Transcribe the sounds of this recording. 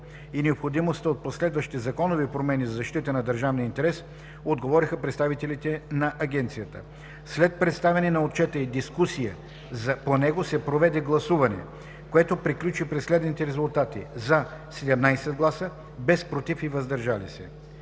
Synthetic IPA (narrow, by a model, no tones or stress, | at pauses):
inɛopxod̪imost̪əot̪̚poslɛd̪vəʃt̪izɐkɔnovipɾomɛnizɐzɐʃt̪it̪ənɐd̪ɐɾʒavniəint̪ɛɾɛs | od̪ɡovɔɾixəpɾɛt̪st̪avit̪ɛlit̪ɛnɐʔɐɡʲɛnt̪sijət̪ə̰ | slɛt̪̚pɾɛt̪st̪avɛnɛnɐot̪̚t͡ʃɛt̪əid̪iskusijə | zɐponɛɡosɛpɾovɛd̪ɛɡlˠɐsuvɐnɛ̰ | koɛt̪opɾiklʲut͡ʃipɾɛslɛd̪nit̪ɛɾɛzʊlˠt̪at̪ḭzɐsɛd̪ɛmnajsɛd̪̚ɡlˠasə | bɛspɾot̪ifivɐzd̪ɐɾʒalḭsɛ̰